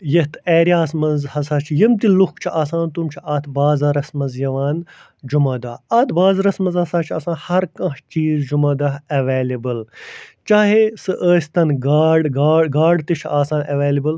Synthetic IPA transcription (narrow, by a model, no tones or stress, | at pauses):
jɐt̪ʰeːɾijaːsmɐnzhɐsaːt͡ʃʰijɐmt̪ilukt͡ʃʰiʔaːsaːnt̪umt͡ʃʰiʔɐt̪ʰbaːzɐɾɐsmɐnzjɐʋaːn | d͡ʒumɐd̪ɐɐt̪ʰbaːzɾɐsmɐnzhɐsaːt͡ʃʰɐsãːnhɐɾkɐ̃ɦt͡ʃiːzd͡ʒumɐːd̪ɐɦɐʋeːlibɨlt͡ʃaːɦesɨʔəːsʲt̪ɐnɡaːɖɡaːɡaːɖt̪it͡ʃʰaːsaːnɐʋeːlibɨl